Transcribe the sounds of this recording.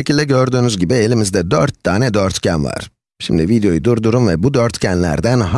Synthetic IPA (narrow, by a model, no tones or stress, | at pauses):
ecʰilʲd̪ɛɟøɾd̪yːnyzɟibie̞lʲimizd̪ɛd̪øɾt̪ːaːnɛd̪øɾt̪cʰænva̰ɾ̥ | ʃimd̪ivid̪ejo̞jd̪uɾd̪uɾumvɛbud̪øɾt̪cʰænlʲæ̰ɾd̪ænɦa